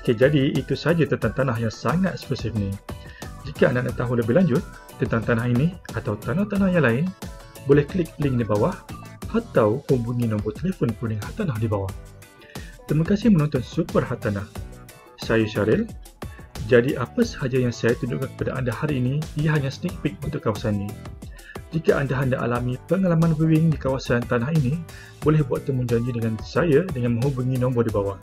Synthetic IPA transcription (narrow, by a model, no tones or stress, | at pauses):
oked͡ʒadiit̪usəɦad͡ʒat̪ənt̪aŋt̪anaɦjaŋsaŋat̪̚spɛsɪfnĩ | d͡ʒikaa̰ndaʔnaʔt̪aɦuləbɪhlaɲd͡ʒʊt̪̚ː | ənt̪aŋt̪anahiniat̪awt̪anaht̪anahjaŋlaɪn | bolɛhkəlɪk̚lɪŋdibawahʔat̪awhubuŋinɔ̃mbɔt̪elefɔnpuniŋɦat̪anahdibawah | t̪ɾiməkasɪhmənɔnt̪ɔnsupərhat̪anah | sajaʃaɾɪl | d͡ʒadiʔapasə̥had͡ʒajaŋsajat̪uɲd͡ʒṵʔkankə̥padaʔandahaɾiːniijaɦaɲãsənik̚pɪk̪̚unt̪ʊkːawasanːĩ | d͡ʒikaʔandaɦandaʔa̰lamipəŋalamãnbuwɪŋdikawasant̪anaɦini | bolɛhbuat̪ːəmund͡ʒaɲd͡ʒidəŋansajadəŋanmə̃ŋɦubuŋĩnɔ̃mbɔdibawah